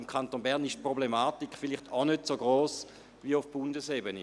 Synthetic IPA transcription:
imkʰantoːnbɛʁnɪʃtpʁoblemaːtikfiliχtʰanøtsoɡʁoːs | viufb̥undəsebəni

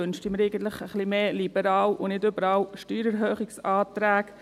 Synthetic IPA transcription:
ønʃtiməɾeɪɡən̩t̪ləχəχlimeːlibəɾɑːlʊnɪdøbəɾɑːlʃtyːɾɛɾɦœːχiksɑːt̪ɾæːk

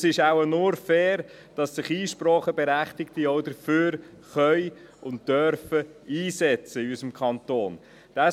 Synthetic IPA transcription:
sɪʃawənʊɾfɛːɾ | d̥ɑsːɪχiːʃpɾɔːχəbɛɾæχtɪktiɔʊdəɾføːɾ | χœj | ʊnt̚d̥øɾfəiːsɛt͡səɪysəmkʰɑntoːn | d̥a

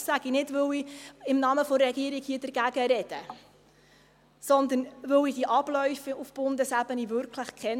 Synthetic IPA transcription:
sæɡ̥inɪdʋɵliɪmnɑməfɔːɛɡ̥iəɾikhiːəd̥əɾɡ̥æɡ̥əɾɛd̥ə | sɔnd̪ənʋɵwid̥iʔɑb̥lœʏfiufb̥ʊnd̪əsæbənivʏɾkʰləχkʰɛn

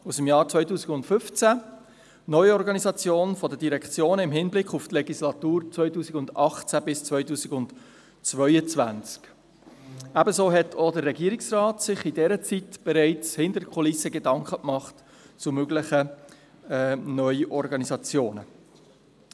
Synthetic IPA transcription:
usəmjɑːɾt͡svœʏtuːsɪɡʊntfʏft͡sæ | nœʏɔɾɡɑnizɑt͡sjoːnfɔdədiɾɛkχt͡sjoːnəɪmɦɪnblɪkχʊftlɛɡislɑt̪uːɾt͡svœʏtuːsiɡʊndɑχt͡sæbɪst͡sʋœʏtuːziɡʊnt | t͡svœʏət͡svænt͡sk | æbəsoːɦɛtʰodərɛɡiːəɾɪksrɑːtsɪχidɛɾət͡sitb̥ɛɾɛɪt͡shɪndəɾkʰɔlɪsəɡedɑŋkχəkmɑχt | t͡sʊmøɡlɪχə | nœʏʔɔɾɡɑnizɑt͡sjoːnə

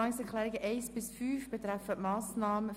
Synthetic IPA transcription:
ɑŋəsɛklɛːɾɪɡəʔeɪsb̥ɪsfyːfb̥ɛt̪ʁɾɛfətmɑːsnɑːmə

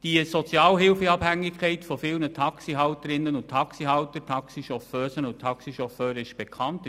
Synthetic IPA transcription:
d̥iəsɔt͡sjɑːlɦɪlfeɑphæŋːɪkʰɛɪtfɔfɪlnətʰɑksiɦɑwtəɾɪnːənʊntʰɑksiɦɑʊtətʰɑksiʃɔføːsənʊntʰɑksiʃɔføːɾəɪʃb̥ekʰɑnt

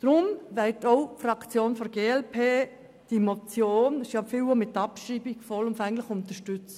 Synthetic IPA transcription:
d̥ɾʊmʋɛtoʊfrɑkt͡sjoːnfɔɾɡeːɛlpʰeː | d̥imot͡sjoːnsjɑfilomɪtɑpʃiːbɪɡ̥fɔlʊnfɛŋlɪʊnt̪əʃtʏt͡s

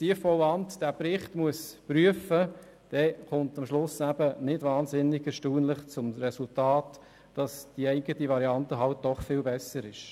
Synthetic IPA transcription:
siəfɔwɑntd̥æːpɾɪχtmuəspɾyəfə | d̥ɛkʊntɑmʃlʊsæbənɪdʋɑːnzɪnɪɡɛɾʃtuːnlɪχt͡sʊmɾɛsultɑːt | d̥ɑsd̥iɛɪɡətiʋɑɾiɑntəɦɑlt̚d̥ɔχfɪːlbɛsəɾɪʃ

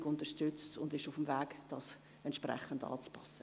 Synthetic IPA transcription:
ɡʊntəʃtʏt͡stʊ̰ndɪʃufəmvæːɡd̥ɑːs | ɛntt͡ʃʃprɛ̰χəndɑ̰ːt͡spɑsːə

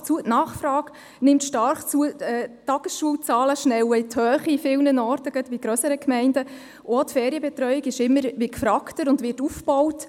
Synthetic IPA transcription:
t͡suətnɑːχfɾɑːk | nɪmtʃtɑrχt͡suəɛːtːɑɡ̥əsʃuəlt͡sɑːləʃnɛwəɪt̪hœːχiːfɪlnənɔːrtəɡ̥ətʋiɡ̥ɾœsəɾəkmɛɪndə | ʔotfɛːɾiəbɛtɾœjiɡɪʃɪmːəɾʋikfɾɑktəɾʊndʋɪtufb̥ɔwt

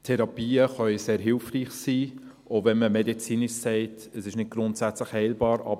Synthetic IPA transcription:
tʰɛɾɑpiːəχœʏseːɾɦɪlfriːχsiː | ʔovɛnməmɛdit͡siːnɪʃsɛɪt | əsɪʃnɪd̚ɡ̥ɾʊntsæt͡sləχhɛɪlbɑːɾɑ̰b

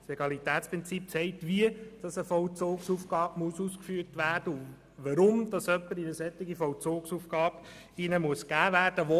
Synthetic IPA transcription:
seɡɑlitæːtspʁɪnt͡sip̚t͡sɛɪk̚tʋiəd̥ɑsəfɔʊt͡soːksufɡ̥ɑːbmuəsuskfyːrtʋæːɾd̥əʊ | ʋɑɾʊmd̥ɑsœpːəɾinəsɛtːɪɡifɔwt͡soːksufɡ̥ɑːb | inəmuəskæːvæːrd̥əʋo

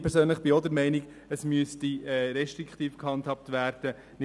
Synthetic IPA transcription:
pʰɛɾsøːnləχb̥iɔd̪əɾmɛɪniɡ | əsmyəstiɛːɾɛʃtɾikχtiːfkhɑnthɑp̚tvæːɾd̥ə | nɪ

